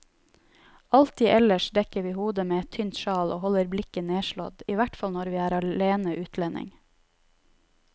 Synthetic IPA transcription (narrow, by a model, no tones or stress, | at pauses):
ɑlt̪iːʔɛləʃd̪ɛkəʋiːhuːd̪əmeːɛt̪ʰʏnt̪ʃɑːloːhɔləɾblɪkəneːʃɭɔ̰d̪iːʋæʈfɑlnɔɾʋiːæːɾɑeːnəʔʉːt̪ʰlɛnʔɪ̰ŋ